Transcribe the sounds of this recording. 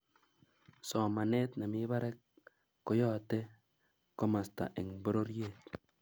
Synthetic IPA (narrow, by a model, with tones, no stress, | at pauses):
sɔ˨ma˨ne˦tna˨mi˦βa˦ɾɛ˦k | kːo˦jɔ˦˨te˦ | ko˦ma˨sta̰˨ʔɪ˨ŋbo˦ɾo˦ɾje˦˨t̚